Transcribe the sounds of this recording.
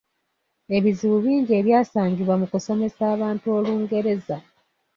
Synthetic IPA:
e̞βiziβuβiːɲɟie̞ːβjaːsaːɲɟiβwamukuso̞me̞saːβaːntuo̞luːŋɡe̞ɾe̞za

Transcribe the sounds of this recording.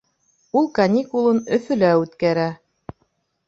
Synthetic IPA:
ulˠkɐnʲikulˠɤnɵ̆fɵ̆læʉt̪kæɾæ

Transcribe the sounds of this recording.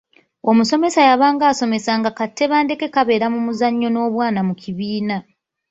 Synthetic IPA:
o̞muso̞me̞sajaβaːŋɡaːso̞me̞saŋɡakatʰːe̞βaːnde̞ke̞kaβe̞ːɾamumuzaɲːo̞no̞ːβwaːnamucʰiβiːna

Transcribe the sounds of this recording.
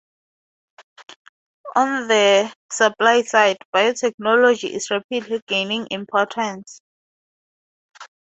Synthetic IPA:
ɔ̃nðəsaplajsajdbajotʰɛk̚nɔlɔd͡ʒiʔḭsɹɛpʰidliɡ̥enĩŋʔḭ̃mpʰɔtʰɛ̃ns

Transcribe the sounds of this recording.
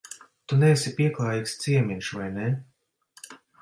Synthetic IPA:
t̪unɛsipʲiɛklˠaːjikst̪siɛmʲinʃvajne

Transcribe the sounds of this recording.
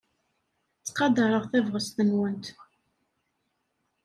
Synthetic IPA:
t͡sːqɑd̪ɑɾˤəʁθævʁəst̪ənwənt̪

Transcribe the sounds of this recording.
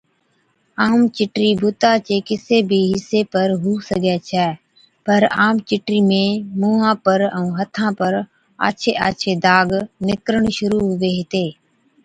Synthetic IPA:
aːmt͡ʃɪʈɾiːbʱʊt̪aːt͡ʃeːkɪseːbʱiːɦɪseːpəɾɦuːsəɡɛːt͡ʃʰɛː | pəɾaːmt͡ʃɪʈɾiːmẽːmuːɦãːpəɾə̃ũːɦət̪ʰãːpəɾ | a̰ːt͡ʃʰeːʔaːt͡ʃʰeːd̪aːɡnɪkɾəɳʃʊɾuːɦʊʋeːɦɪt̪eː

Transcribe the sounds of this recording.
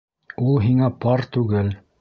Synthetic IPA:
ulˠɦiŋæpɑɾt̪ʉɡɘl

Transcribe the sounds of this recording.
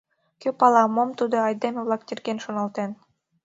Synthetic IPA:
kʲøpɑlˠɑmomt̪ud̪oɑjd̪emeβlˠɑk̚t̪ʲerɡenʃonɑlˠt̪en

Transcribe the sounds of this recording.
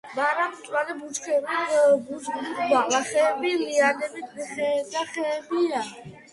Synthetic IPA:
baɾamt̪ʼwalɛbut͡ʃkʰɛbbusɡlibaqʼlaχɛːbiliad̪ɛbit̪ʰχɛd̪aχɛːbia

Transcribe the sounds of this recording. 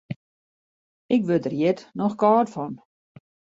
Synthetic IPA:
ɪkʋødərjɪtnɔxkɑːtfɔn

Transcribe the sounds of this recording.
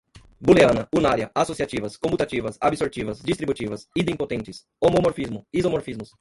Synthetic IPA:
buleɐ̃nɐunaɾjɐasosiat͡ʃivɐskõmput̪at͡ʃivɐsabisoɾt͡ʃivɐzd͡ʒist̪ɾibut͡ʃivɐsid̪ẽpot̪ẽnt͡ʃɪs | omomoɾfizmʊizomoɾfizmʊs

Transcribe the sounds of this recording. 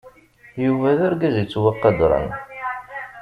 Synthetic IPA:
juvæðʊɾɡæzit͡sːwɑqːɑd̪ɾˤɑ̰n

